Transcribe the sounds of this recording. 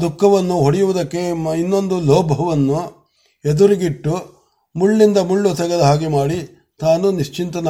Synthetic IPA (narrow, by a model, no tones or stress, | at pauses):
d̪ukʰːɐʋɐnːuɦoɽijuʋud̪ɐkːe̞inːo̞nd̪ulɔːbʱɐʋɐnːu | ed̪uɾiɡiʈːu | muɭːind̪ɐmuɭːut̪ɛɡed̪ɐɦaːɡimaːɽi | t̪aːnuniʂt͡ʃint̪ɐnɐ